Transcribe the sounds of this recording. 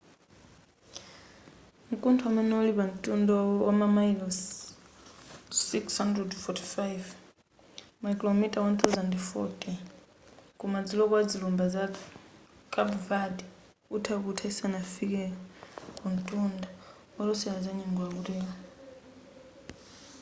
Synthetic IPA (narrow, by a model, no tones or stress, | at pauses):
m̩kʼuntʰuamɛnɛuliβan̩tʼundɔwamamailɔs | sikshandrɛdfɔtʰi̥fajv | makʼilɔmitʼawant̪ʰawzandfɔ̰tʰʼi | kʼumad͡zilɔkwad͡zilumbaza | kʼabvadi | utʰakutʰaisanafikɛ | kun̩tʼunda | walɔsɛlad͡zaɲɛŋɡɔakutɛa